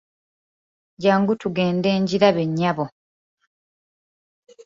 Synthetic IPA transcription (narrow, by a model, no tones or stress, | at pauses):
ɟaːŋɡutuɡe̞ːnde̞ːɲɟiɾaβe̞ɲːaβo